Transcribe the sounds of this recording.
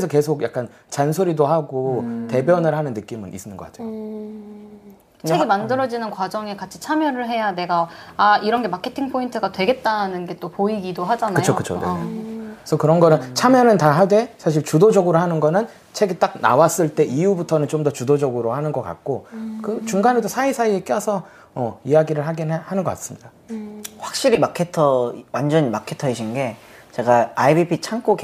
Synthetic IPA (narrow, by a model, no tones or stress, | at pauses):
esʰʌke̞sʰoɡja̰k͈an | t͡ɕansʰoɾidohaɡote̞bjʌnɯɭɦanɯnːɯk͈imɯnʔḭs͈ɯnɯnɡʌk͈ad͡ʑo | t͡ɕeɡimandɯɾʌd͡ʑinɯnkwad͡ʑʌŋe̞kat͡ɕʰi̥t͡ɕʰamjʌɾɯɭɦe̞jane̞ɡaːiɾʌnɡe̞makʰe̞tʰiŋpʰointʰɯɡatwe̞ɡe̞t̚t͈anɯnɡe̞t͈opoiɡidoɦad͡ʑanakɯjt͡ɕʰokɯt͡ɕʰo̰ne | sʰʌkɯɾʌnɡʌnɯnt͡ɕʰamjʌnɯntaɦadwe̞sʰaɕ̬ʰiɭt͡ɕudod͡ʑʌɡɯɾohanɯnɡʌnɯn | t͡ɕʰeɡit͈ak̚na̰was͈ɯɭt͈e̞ʔiubutʰʌnɯnt͡ɕomdʌt͡ɕudod͡ʑʌɡɯɾohanɯnɡʌk͈a̰k̚k͈okɯt͡ɕuŋɡanedosʰaisʰaie̞k͈jʌsʰʌ | ʌijaɡiɾɯɭɦaɡinhanɯnɡʌk͈as͈ɯ̥mɲida | ɸwak̚ɕ͈iɾimakʰetʰʌwand͡ʑʌnimakʰe̞tʰʌɦeɕʰinɡe̞t͡ɕe̞ɡaaibipʰit͡ɕʰaŋk͈uk